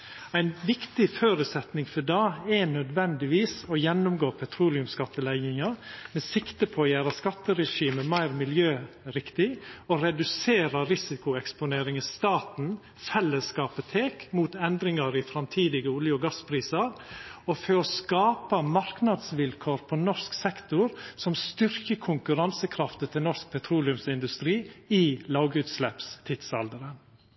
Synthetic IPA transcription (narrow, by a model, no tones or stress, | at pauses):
æɪnʋɪkt̪ɪføːɾʉt̪sɛt̪nɪŋfɔɖɑːɛnœd̪ʋɛnd̪ɪʋiːsɔjɛnːʊmɡoːpʰɛt̪ʰɾuːlɪʉmskɑt̪ːəlæɪɪŋɑmɛsɪkt̪əpʰɔːjæːɾɑskɑt̪ːəɾɛʂiːməmæɪɾmɪljøː | ɾɪkt̪ɪɔɾɛd̪ʉseːɾɑɾɪsɪkʊɛkspʊneːɾɪŋəst̪ɑːt̪n̩ | fɛlːəskɑːpət̪ʰeːkmuːt̪ɛnd̪ɾɪŋɑɾɪfɾɑmt̪ʰiːd̪ɪɡəʊljʊɡɑspʰɾiːsɑɾɔføɔskɑːpəmɑɾknɑd̪sʋɪlkʰoːɾpʰɔnɔʂksɛkt̪ʊɾsɔmst̪ʏɾkəkʰʊŋkʉɾɑnsəkʰɾɑft̪ət̪ʰɪlnɔsk̚pʰɛt̪ʰɾuːlɪʉmsɪnd̪ʉst̪ɾiːilɑːɡʉːt̪slɛpst̪ʰɪd̪sɑld̪əɾən